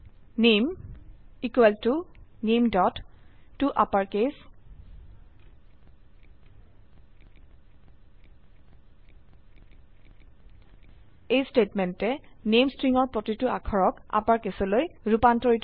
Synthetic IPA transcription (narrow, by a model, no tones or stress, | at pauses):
nem | ikwɛltunemdɔtːuʔapaɹkes | ejstetmɛntɛnemstɹiŋɔɹpɹotituakʰɔɹɔka̰paɹkesɔlojɹupantɔɹit